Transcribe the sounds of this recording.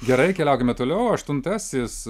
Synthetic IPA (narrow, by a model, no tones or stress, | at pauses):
ɡʲɛɾɐɪkʲɛlʲɛʊkʲemʲɛt̪oːlʲɛʊɐʃt̪ʊnt̪ɐsʲɪs